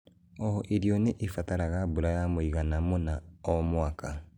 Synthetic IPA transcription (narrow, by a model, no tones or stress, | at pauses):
ɔɔʔeɾjɔneʔefataɾaɣabuɾajamoiɣanamonaɔmwakʰa